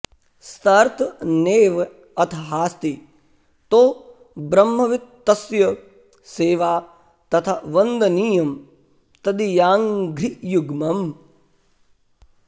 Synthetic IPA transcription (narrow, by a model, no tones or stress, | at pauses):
st̪ɐɾt̪neːʋ | ɐt̪ʰɐɦaːst̪i | t̪oː | bɾɐmːɐʋit̪ːɐsjɐ | seːʋaː | t̪ɐt̪ʰaʋɐnd̪ɐniːjɐm | t̪ɐd̪ijaːŋɡɾijuɡmɐm